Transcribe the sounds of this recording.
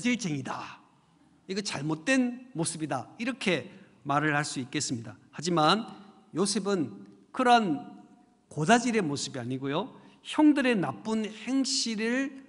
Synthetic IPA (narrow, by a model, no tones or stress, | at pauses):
d͡ʑiɭt͡ɕeŋida | iɡʌt͡ɕaɭmot̚t͈we̞nmosʰɯbidaiɾʌkʰe̞ | maɾɯɭhaɭs͈uik͈e̞s͈ɯmɲidahad͡ʑiman | josʰebɯn | kɯɾan | kod͡ʑad͡ʑiɾe̞mosɯbiaɲiɡojoçjʌŋdɯɾe̞nap͈unhe̞ŋɕiɾɯɭ